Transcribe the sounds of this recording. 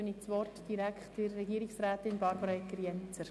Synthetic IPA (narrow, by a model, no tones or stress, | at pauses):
ənit͡sʋɔrtd̥iɾækχtɪɾːɛɡiːɾɪksɾæːtɪnbɑɾbəɾɑɛkːəɾjɛnt͡səɾ